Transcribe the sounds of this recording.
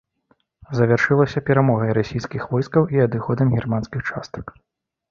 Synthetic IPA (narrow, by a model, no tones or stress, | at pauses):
zɐvʲarʂɨlˠɐsʲɐpʲɛɾamɔɣɐjɾasʲijskʲixvɔjskɐwʔiɐd̪ɨxɔd̪ɐmɣʲirmanskʲixt͡ʂa̰st̪ɐ̥k